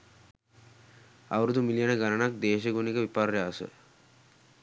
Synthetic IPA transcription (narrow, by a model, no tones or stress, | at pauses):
a̰ʋɾud̪umilijɐnəɡanɐnak̚d̪eːʃɐɡunikəʋipaɾjaːsʋə̰